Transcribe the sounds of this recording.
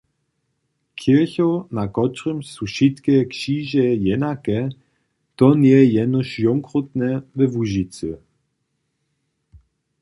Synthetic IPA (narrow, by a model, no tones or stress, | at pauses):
kʰiçɔnakɔtʁəmsuʃit̪kɛkʃiːʒɛjɛnakɛ | t̪ɔnjɛjɛnɔʃjɔŋkʁɔt̪nɛvɛvuʒit͡sə̰